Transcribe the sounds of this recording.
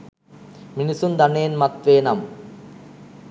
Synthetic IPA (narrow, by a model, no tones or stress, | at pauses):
minisund̪ɐneːnmɐt̪ʋeːnɐm